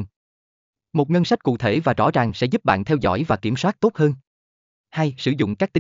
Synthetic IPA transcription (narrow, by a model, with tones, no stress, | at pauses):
mo˨˩t̚ŋə˧nsa˦˥k̟̚kṵ˧˨t̪ʰe˧˩vaː˨˩zɔ̰˧˥t͡ɕaː˨˩ŋsɛ̰˧˥zu˦˥p̚ɓa̰ː˧˨nt̪ʰɛ˧wzɔ̰˧˥jvaː˨˩ki˧˩əmswaː˦˥t̚t̪o˦˥t̚həː˧n | ha˧jsɨ˧˩zʊ̰˧˨ŋ͡mkaː˦˥k̚t̪ï˨˦